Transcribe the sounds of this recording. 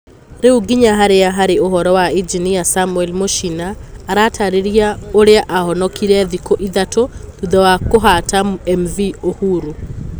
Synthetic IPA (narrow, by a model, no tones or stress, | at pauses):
ɾeuɡiɲaɦaɾeaɦaɾeoɦɔɾɔwaid͡ʒinijasamuɛlmoʃinaːɾatʰaɾeɾiaoɾeaʔahɔnɔkiɾɛðikoʔiðatoðuðɔwakoɦatamɛmviohuɾu